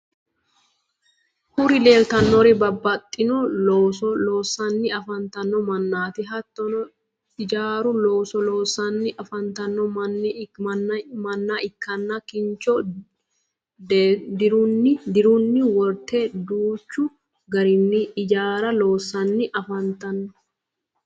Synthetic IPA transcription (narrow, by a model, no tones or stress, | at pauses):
hʊɾɪle̞ːlt̪ɐnːɔɾɪbɐbːɐt̪ʼːɪnɔloːsɔloːsːɐnːɪɐfɐnt̪ɐnːɔmɐnːaːt̪ɪɦɐt̪ːɔnɔ | ɪd͡ʒaːɾʊloːsɔloːsɐnːɪʔɐfɐnt̪ɐnːɔɐnːɪmɐnːɐmɐnːaɪkːɐnːɐkɪnt͡ʃːɔ | dd̪ɪɾʊnːɪd̪ɪɾʊnːɪwɔɾt̪ʰːed̪uːt͡ʃːʊ | ɡɐɾɪnːɪɪd͡ʒaːɾɐloːsːɐnːɪʔɐfɐnt̪ɐnːɔ